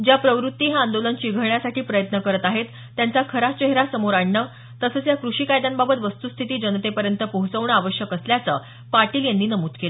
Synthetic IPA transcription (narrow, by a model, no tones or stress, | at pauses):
d͡ʑjapɾəʋɾut̪ːiːɦaand̪olənt͡ɕiːɡʱəɾɳjasaʈʰiːpɾəjət̪nəkəɾət̪aɦet̪ːjant͡sakʰəɾat͡ɕeɦɾasəmoɾaɳːə | t̪əsəːt͡sjakɾuʂiːkajd̪anbabət̪ʋəst̪ust̪ʰit̪iːd͡ʑənət̪epəɾjənt̪əpəɦut͡səʋɳəaʋəɕjəkəsljat͡sə | paʈiːljenːiːnəmuːt̪kela